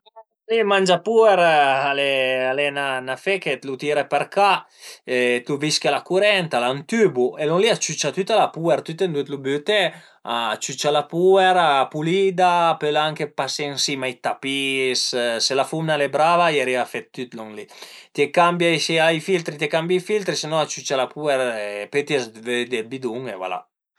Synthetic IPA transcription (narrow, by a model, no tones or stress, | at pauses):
ŋlimand͡ʒapuɛɾalealɛnanafeket̪lut̪iɾepɛɾka | et̪uviskalakuɾɛnt̪alant̪ybuelɔŋliat͡ʃyt͡ʃat̪yt̪alapuɛɾt̪yt̪end̪ut̪lubyt̪ɛ | a̰t͡ʃyt͡ʃalapuɛɾaːpulid̪apølaŋkepaseŋsimajt̪apisselafumnalɛbɾavajaɾiafɛt̪ːyt̪lɔŋlit̪iɛkambjajsiajfilt̪ɾit̪ekambjajfilt̪ɾisenɔat͡ʃyt͡ʃalapuɛɾepet̪ɛsved̪elbid̪uŋḛva̰la̰